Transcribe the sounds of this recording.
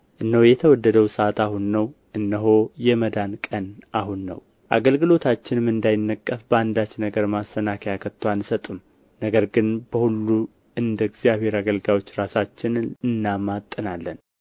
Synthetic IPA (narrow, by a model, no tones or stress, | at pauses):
ʔɨnːəwjɛt̪ʰəwɔd̪ːəd̪əwsəat̪aɦunːəwʔɨnːəɦo̞jɛməd̪ankʼənʔaɦunːə̰w | ʔa̰ɡəlɡɨlo̞t̪ʰat͡ʃːɪnmːɨnd̪ajɪnːəkʼːəfbəand̪at͡ʃːnəɡəɾmasːənakʰəjakʰət̪ʰːwanɨsət̪ʼɨm | nəɡəɾɡɨnb̥əhulːu | ʔɨnd̪əɡzjaβhe̞ɾaɡəlɡawo̞t͡ʃːɾasat͡ʃːɪnɨnːamat̪ʼːɨnalːən